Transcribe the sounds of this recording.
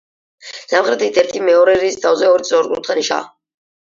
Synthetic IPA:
z̥amχɾɛt̪it̪ʰɛɾt̪ʰimɛɔɾɛɾiːst̪ʰavzɛɔɾit̪sʼɔɾɡuɾt̪ʰχʰaniʃa̰

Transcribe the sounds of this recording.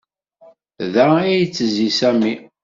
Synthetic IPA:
ðæijt͡sːəzisæmi

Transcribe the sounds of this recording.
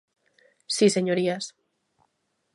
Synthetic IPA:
siseɲoɾias

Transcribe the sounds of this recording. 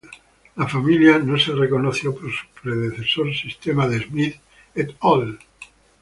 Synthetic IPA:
lafamiljanoserekonoθjopoɾsu̥pɾeðeθesoɾsist̪emaðezmið | et̪ol

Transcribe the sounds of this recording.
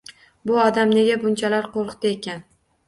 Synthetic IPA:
bʊɒd̪amne̞ɡʲabʊnt͡ʃʰalaɾqʰoɾqt̪aekʲʰan

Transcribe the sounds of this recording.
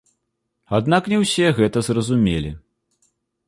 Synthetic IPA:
ad̪naknʲɛwsʲɛɣɛt̪ɐzrɐzumʲelʲḭ

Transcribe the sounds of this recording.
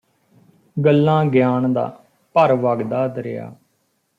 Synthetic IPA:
ɡəlːãːɡjaːɳd̪a̰ː | pəɾʋaːɡd̪aːd̪ɾɪja̰ː

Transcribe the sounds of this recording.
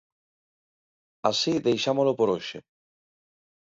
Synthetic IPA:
asiðejʃamolopoɾoʃḛ

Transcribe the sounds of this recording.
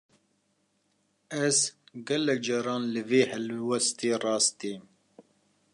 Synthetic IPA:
ɛzɡɛlɛk̚d͡ʒɑɾɑːnlɨveːhɛlwɛst̪eːrɑːst̪iːm

